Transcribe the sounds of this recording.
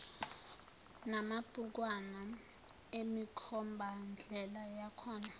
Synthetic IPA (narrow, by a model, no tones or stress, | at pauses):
namab̥ʱuk̬wana | emikʰɔmbʱand͡ɮʱɛlajakʰɔːna